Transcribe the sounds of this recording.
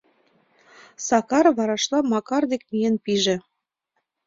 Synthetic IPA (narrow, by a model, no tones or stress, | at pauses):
sɑkɑɾβɑɾɑʃlɑmɑkɑrd̪ekmijenpiʒĕ